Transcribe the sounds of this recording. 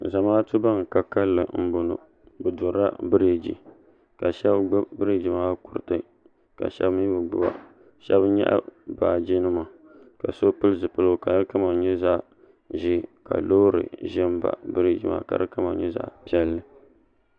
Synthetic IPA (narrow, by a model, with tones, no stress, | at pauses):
za˨maː˦tu˦ba˦ŋ˨ka˨ka˦lːɨ˨m̩˦bo˨no̰˨ | bɨ˨dʊ˨ɾa̰˦bɨ˦ɾi˨d͡ʒḭ˨ | ka˨ʃɛ˦bɡ͡bbɨ˦ɾi˦d͡ʒi˨maː˦ku˨ɾɨ˨tɨ˦ | ka̰˨ʃɛ̰˦bm˦bɨ˨ɡ͡bʊ˦ba̰˦ | ʃɛ̰˦bɲɛ̰˦ʔa̰˦baː˨d͡ʒi˦nɨ˦ma˨ | ka˨so˦pɨ˦lɨ˦zɨ˨pɨ˦lɨ˦˨ka˨ɨ˦ka˦ma˨ɲɛ˦za˦ʔ | ʒi˦ka̰˨lo˦ɾɨ̰˨ʒɪ˦m˦ba̰˨bɨ˦ɾi˦˨d͡ʒi˨ma̰˦˨ka̰˨ɾɨ˦kɨ˦ma˨ɲɛ˦za̰˨ʔpi˦ɛ˦lːɨ˦